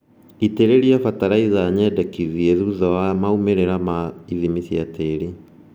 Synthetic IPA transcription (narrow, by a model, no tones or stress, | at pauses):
iteɾeɾiafataɾaizaɲɛdɛkiðjeðuðɔwamaumeɾeɾamaiðimisjateɾi